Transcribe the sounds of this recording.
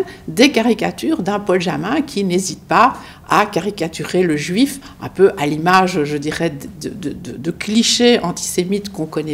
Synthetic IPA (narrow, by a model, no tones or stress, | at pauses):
d̪ekaʁikat̪yːʁd̪ɛ̃pɔlʒamɛ̃kʰʲinezit̪pa | a̰kaʁikat̪yʁeləʒɥif | ɛ̰̃pøʔalimaʒʒəd̪iʁɛd̪d̪əd̪əd̪əd̪əkliʃeɑ̃t̪i̥semit̪kɔ̃kɔnɛ